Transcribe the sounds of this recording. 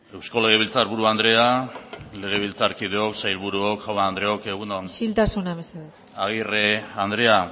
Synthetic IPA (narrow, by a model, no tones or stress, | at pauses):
e̞wsko̞leɣeβilt͡saɾβuɾuand̪ɾe̞ale̞ɣeβ̞ilt͡saɾkið̞eoksajlβuɾuokxawaːnd̪ɾe̞oke̞ɣ̞unosilt̪asunaβeseðs | aɣ̞ireand̪ɾe̞a